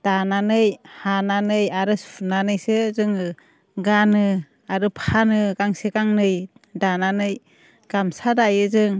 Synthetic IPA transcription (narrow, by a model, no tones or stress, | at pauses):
d̥ananɯjhananɯjaɾɯnanɯjsɯzɯŋɯ | ɡanɯ | aɾɯpʰanɯɡaŋseɡaŋnɯj | dananɯj | ɡ̥amsadajɯzɯŋ